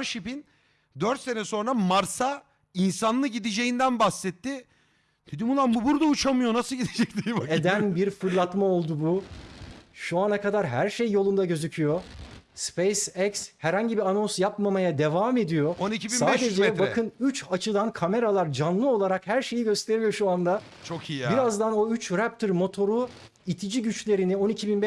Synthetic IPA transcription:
ɾʃipin | d̪øɾt̪se̞nɛso̞nɾamaɾsa | insanlˠɯɟid̪id͡ʒe̞jind̪ænbahsɛt̪ʰːi | d̪̥ed̪imunːˠanbubuɾd̪aut͡ʃʰamɯjo̞nasɯlɟid̪ed͡ʒɛc̚t̪iibaed̪ænbiɾfɯɾlˠat̪mao̞lˠd̪ubu | ʃuanakad̪aɾɦæɾʃejːo̞lˠund̪aɟø̞zycʰyjo̞spejsɛcshæɾhaɲɟibiano̞nsjapmamajad̪e̞vaːme̞d̪ijo̞onicʰibisaːd̪e̞d͡ʒɛakʰɯnyt͡ʃat͡ʃʰɯd̪ankʰame̞ɾalˠaɾd͡ʒanlˠɯo̞lˠaɾakhæɾʃe̞jiɟø̞st̪ʰe̞ɾilʲijo̞ʃuand̪a | t͡ʃʰokʰibiɾazd̪ano̞yt͡ʃɾæp̚t̪ʰɯɾmo̞t̪ʰo̞ɾu | it̪ʰid͡ʒiɟyt͡ʃlʲe̞ɾinio̞nicʰibinb

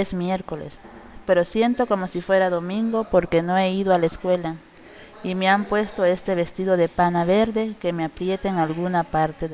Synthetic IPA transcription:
esmjeɾko̞lḛs | pe̞ɾo̞sje̞nt̪o̞ko̞mo̞sifwe̞ɾaðo̞mĩŋɡo̞po̞ɾke̞no̞eiðoalaeskwe̞la | imeampwe̞st̪o̞e̞st̪e̞βe̞st̪iðo̞ðe̞panaβe̞ɾðe̞ke̞meapɾje̞t̪eŋalɣunapaɾt̪e

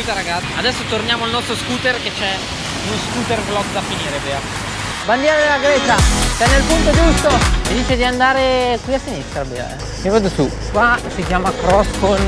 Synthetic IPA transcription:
it̪aɾaɡat̪ːad̪ɛsːot̪ornjaːmoalnɔst̪ɾoskuːt̪erket͡ʃɛ | unoskuːt̪erblɔɡd̪afiniːɾeveːa | band̪jɛːɾad̪elaɡɾɛːt͡ʃat͡ʃɛnːelpunt̪od͡ʒust̪omid̪iːt͡ʃed̪iand̪aːɾekwiasːinist̪ɾabḛɛ̰ | mivad̪osu | kwasikjaːmakɾɔsfon

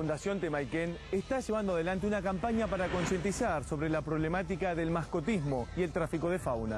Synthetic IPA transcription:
und̪asjo̞nt̪emajkenest̪aʒeβand̪oaðe̞lant̪eunakampaɲapaɾako̞nsje̞nt̪isaɾso̞βɾelapɾo̞βlemat̪̬ikaðe̞lmasko̞t̪izmo̞ie̞lt̪ɾafiko̞ðefawna

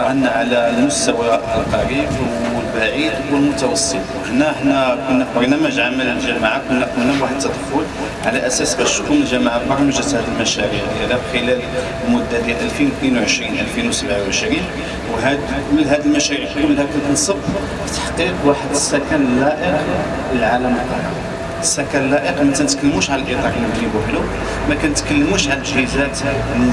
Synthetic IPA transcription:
ʔənːʕalælmʊst̪æwʔq̪ˤɑɾifwəəlbaʕid̪wəlmʊt̪ɑwɑsˤːət̪ˤʔənæʔəħnækʊnːæfɑɾnæmæʒʕamələlʒæmaʕakʊnːækʊnːæbwaħəd̪̚t̪ːɑt̪ˤful | ʕalæʔæsæsbæʃt̪kunəlʒæmaʕabɑɾˤməʒət̪hæd̪əlmæʃæɾiʕd̪jæd̪æfxəlæl | lmʊd̪ːæd̪jælʔælfinwt̪ninwʕəʃɾinʔælfinwsəbʕawʕəʃɾin | wɦæd̪ | lɦæd̪əlmæʃæɾiiʕt̪unlhækʊnt̪ənsˤəb | fi̥t̪ḁħqiqwaħəd̪əsːækænəlːæʔəq | əlʕaləmɑ | əsːækænəlːæʔəqmənt̪ænət̪kəlːmuʃʕaləlʔit̪ɑʕməd̪ɾibuħlu | mækænt̪kəlːmuʃʕaləʒhizæt̪

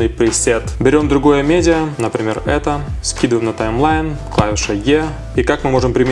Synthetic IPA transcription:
ɨjpɾʲɪsʲet̪bʲɪɾʲo̞md̪ɾʊɡo̞jəmʲedʲɪənəpɾʲɪmʲe̞̰rɛ̰t̪əskʲid̪ɨvəjmnət̪ajmlˠajnklˠavʲɪʂɐje | ikakmɨmo̞ʐɨmpɾʲɪmʲɪ

